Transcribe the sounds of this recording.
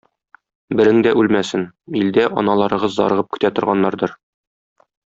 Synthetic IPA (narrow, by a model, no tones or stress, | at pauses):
bɘ̆ɾɘŋd̪æʔʉlmæsɘnild̪æʔɒ̰nɑlˠɑɾɤ̆ʁɤzːɒ̰ɾɤ̆ʁɤp̚kɵ̥̆t̪æt̪ŏɾʁɑnːɑɾd̪ɤɾ